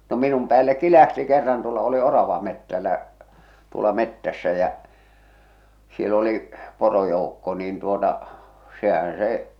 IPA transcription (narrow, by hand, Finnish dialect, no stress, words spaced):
no minum pæːlːekːi læhti kerːɑn tuolːɑ oli orɑʋɑmetːælːæ tuolɑ metːæsːæ jæ siel oli porojoukːo niːn tuotɑ sehæn̞ se